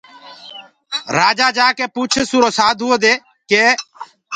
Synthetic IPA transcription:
ɾaːd͡ʒaːd͡ʒaːkeːpuːt͡ʃʰsuːɾoːsaːd̪ʱɦuːoːd̪eː | keː

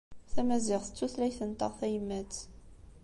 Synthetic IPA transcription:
θæmæzɪʁθə̥t͡sːuθlæjθənt̪ˤəʁθæjəmːæt͡s

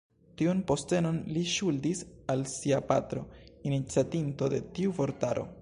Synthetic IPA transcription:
tiunpo̞ste̞no̞nliʃuldisalsiapatɾo̞̰init͡siatinto̞de̞̰tiuvo̞ɾtaɾo̞̰

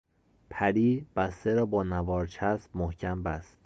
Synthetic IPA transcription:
pʰæɾiːb̥æst̪eɾɒːbɒːnævɒːɾt͡ʃʰæsbmohcʰæmbæst̪

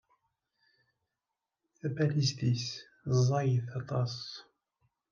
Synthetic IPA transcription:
θæbælist̪is | zˤːɑjəθɑt̪ˤɑs

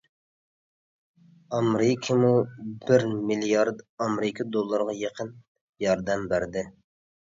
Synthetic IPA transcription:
ɑmɾɪkʰəmubɪɾmilijɑɾd̪ɑmɾɪkʰɑd̪olˠːəɾʁɑjeqʰən | jɑɾd̪ɛmbæɾd̪ɪ

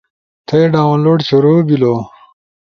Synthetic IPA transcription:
t̪ʰeɖaːwnloːɖt͡ɕoɾoːbilo

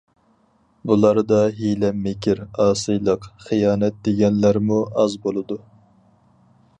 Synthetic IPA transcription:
bulˠɑɾd̪ɑɦilɛmːekʲʰiɾɑːsɨjlˠəqχijɑːnɛt̪̚d̪eɡʲɛnlæɾmuɑzbolˠɨd̪u

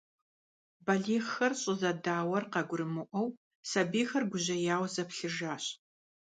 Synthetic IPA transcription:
bɐɮiːʁxɐrɕʼɪzɐdaːwɐrqɐɡʷʊɾɨmɨʔʷɔw | sɐbiːxɐrɡʷʊʑɐjaːwzɐpɬɨʒaːɕ

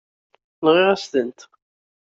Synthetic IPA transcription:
lʁɪʁæst̪ənt̪

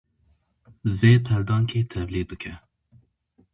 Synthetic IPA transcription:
veːpʰɛɾd̪ɑːŋkʰeːt̪ʰɛvliːd̪̚bɨkʰɛ

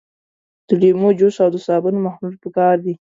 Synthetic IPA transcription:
d̪̥əlemod͡ʒosawd̪əsɑbənmahnulpəkɑɾd̪i

